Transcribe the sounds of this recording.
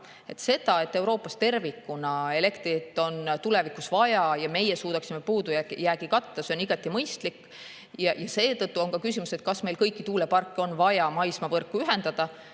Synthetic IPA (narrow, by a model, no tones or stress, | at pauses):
e̞t̪se̞d̪̥ɑe̞t̪ːe̞uwɾo̞ːpːˑɑst̪e̞rvikːunɑele̞kt̪rit̪ːˑo̞nt̪ule̞vikˑusvɑjɑjɑme̞jesuːd̪ɑksimepuːd̪ujæjæːɡikɑt̪ːɑse̞oniɡ̥ɑt̪ˑːimɤjst̪likː | jɑjɑse̞ːt̪ɤt̪ːˑuo̞ŋkɑkysimuse̞t̪̚kɑsme̞jlkɤ̞jkːˑit̪uːlepɑrkːo̞nvɑjɑmɑjsmɑvɤrkːˑuyɦe̞nd̪ɑd̪̥ɑ